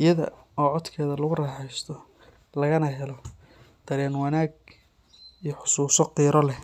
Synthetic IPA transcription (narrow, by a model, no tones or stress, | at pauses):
ɪjɐðɐ̰ɔːʕɔd̪kʰɛːðɐlɐɣʊrɑːħɛjst̪ʰɔ | lɐɣɐnɐɦɛlɔ | d̪̥ɐɾɛːnwɐnaːɡ | ijɔħʊ̥suːsɔqiːɾɔlɛ